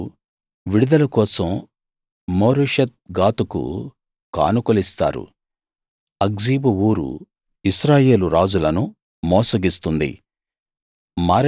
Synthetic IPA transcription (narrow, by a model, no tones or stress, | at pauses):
ʋiɽud̪ɐlɐkɔːsɐmː | oːɾuʂɐt̪̚ɡaːt̪ukṵ | ka̰ːnukolist̪a̰ːɾṵ | ɐɡziːbuuːɾṵ | isɾaːje̞ːluɾaːd͡ʒulɐnu | mɔːsɐɡist̪und̪ḭ | maːɾ